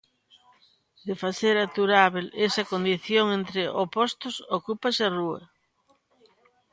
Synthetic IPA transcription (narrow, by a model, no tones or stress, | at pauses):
d̪efaθeɾat̪uɾaβelesɐkond̪iθjoŋent̪ɾeʔopost̪ʊsokupɐsɪaruɐ̰